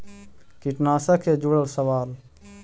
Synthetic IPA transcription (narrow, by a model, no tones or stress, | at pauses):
kiʈnaːsəkʰed͡ʒuːɽəlsəwaːl